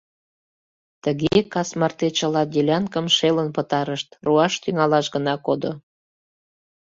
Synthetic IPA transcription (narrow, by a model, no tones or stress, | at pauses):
t̪əɣekɑsmɑrt̪et͡ɕəlɑd̪ʲelʲɑnkəmʃelənpət̪ɑɾəʃt̪ruɑʃt̪yŋɑlɑʃɣənɑkod̪o